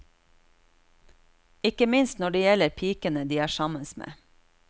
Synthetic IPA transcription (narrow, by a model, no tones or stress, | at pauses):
ɪkəmɪnst̪nɔɖeːjɛləɾpʰiːkənəd̪iːæːʃɑmənsmḛː